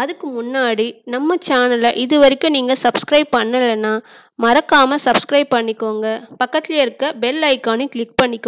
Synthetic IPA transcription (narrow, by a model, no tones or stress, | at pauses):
ɐðɯkːɯmʊnːaːɽinɐmːɐt͡ʃaːnɐlɐʔɪðɯʋɐɾɪkʲːʊ̃niːŋɡɐsɐbskɾɐɪb̚pɐɳːɐlːɐnːaː | mɐɾɐkːaːmɐsɐbskɾɐɪb̚pɐɳːɪkːoːŋɡɐpɐkːɐt̪ːɪleɪɾɯkːɐbɛlːɐɪkːaːnikɪɭɪk̚pɐɳːɪkːõ